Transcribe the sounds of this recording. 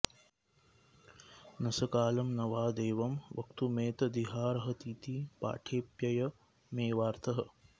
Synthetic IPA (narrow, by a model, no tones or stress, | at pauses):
nɐsɐkaːlɐmnɐʋaːd̪eːʋɐmʋɐ̰kt̪umeːt̪ɐd̪iɦaːɾɐɦɐ̆t̪iːt̪ipa̰ːʈʰeːpjɐjɐ | meːʋaːɾt̪ʰɐɦɐ